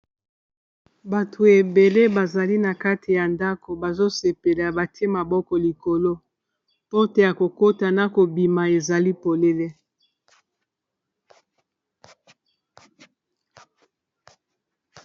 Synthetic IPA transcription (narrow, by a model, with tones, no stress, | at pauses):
ba˨tʰo˨e˨be˨le˦ba˨za˨li˦na˨ka˦tʰi˨ja˨nda˦ko˨ba˨zo˦se˨pe˨la˨ba˨te˦ma˨bɔ˦kɔ˨li˨ko˨lo˦ | po˦te˨ja˨ko˨ko˦ta˨na˨ko˨bi˨ma˨e˨za˨li˦po˨le˦le˦